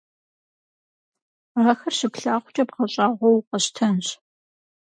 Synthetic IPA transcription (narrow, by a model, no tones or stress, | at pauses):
raːxɐrɕɪɡʷɬaːχʷʊt͡ʃʼɐpʁɐɕʼaːʁʷɔwqɐɕtʰɐnɕ